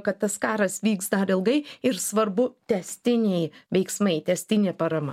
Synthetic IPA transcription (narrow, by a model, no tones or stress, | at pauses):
kɐt̪̚t̪ːɐskɑːɾɐsʋʲiːksd̪ɐɾɪlˠɡɐɪɪɾsʋɐɾbʊt̪ʲɛsʲt̪ʲɪnʲɛɪʋʲɛɪksmɐɪt̪ʲɛsʲt̪ʲɪnʲeːpɐɾɐmɐ̰